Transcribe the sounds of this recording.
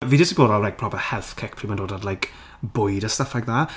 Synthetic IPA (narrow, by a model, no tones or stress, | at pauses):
viːdɪsiboːdallɛɡ̚pʰrɔpɛhɛlˠθkʰɛkpʰriːmandoːdadlajk | bʊjdəstəfaɡ̚ðaː